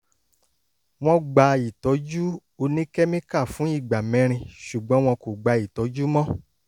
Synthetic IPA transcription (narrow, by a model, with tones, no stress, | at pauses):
w̃ɔ̃˧ɡ͡ba˧i˨tɔ˨˦d͡ʒu˦ | o˧nĩ˦kɛ˦mĩ˦ka˦˨fũ˨˦i˦˨ɡ͡ba˨mɛ̃˨˧˦ɾ̃ĩ˧ʃu˨ɡ͡bɔ̃˨˦w̃ɔ̃˧ko˨ɡ͡ba˧i˨tɔ˨˦d͡ʒu˦mɔ̃˦